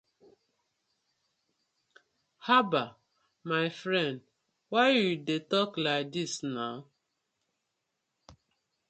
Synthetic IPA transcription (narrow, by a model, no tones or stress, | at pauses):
haba | maɪfɾɛ̃nd | waɪwidetɔklaɪk̚disnaʊ